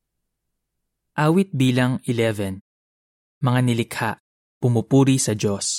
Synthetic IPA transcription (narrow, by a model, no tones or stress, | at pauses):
ʔaːwɪt̪̚biːlɐŋɪlɛvɛn | mɐŋanɪlɪkhaʔ | pʊmʊpuːɾisɐd͡ʒo̞s